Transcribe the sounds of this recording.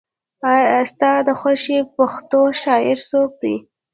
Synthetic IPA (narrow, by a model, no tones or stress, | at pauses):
st̪ɑd̪əxaʃepaxt̪oʃɑɪɾsok̚d̪ḭ